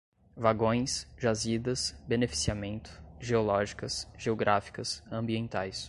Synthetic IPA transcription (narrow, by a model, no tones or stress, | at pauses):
vaɡõj̃sʒazid̪ɐsbenefi̥siamẽnt̪ʊ̥ʒeolɔʒikɐsʒeoɡɾʔafi̥kɐsɐ̃mbiẽnt̪ajs